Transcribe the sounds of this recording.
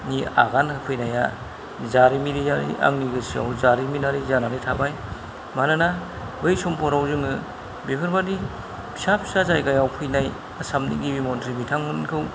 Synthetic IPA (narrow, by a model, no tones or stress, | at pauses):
nia̰ɡanhɯpʰɯjnaja̰ | zaɾimiɾizaɾḭʔa̰ŋniɡɯsia̰wzaɾiminaɾizanaɾitʰabaj | manɯna | bɯjsɔmpʰɔɾawzɯŋɯ | bibʰɯɾbadi | b̥ʰi̥sapʰi̥sazajɡajawpʰɯjnaj | asamnḭɡibimɔntɾibitʰaŋmɯnkʰɯw